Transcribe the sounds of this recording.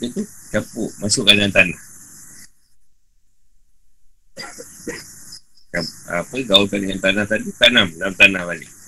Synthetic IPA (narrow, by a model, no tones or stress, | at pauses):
tit̪ut͡ʃapuʔmasʊʔkanŋant̪anah | t͡ʃaa̰pəɡauk̪anŋant̪anaht̪adit̪anamnamt̪anahbanḭ